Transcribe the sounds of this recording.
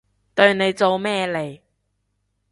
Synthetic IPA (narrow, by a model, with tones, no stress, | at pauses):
t̪ɵ˧ɥne˨˧jt͡so˨˧wmɛː˥˧le˨˩j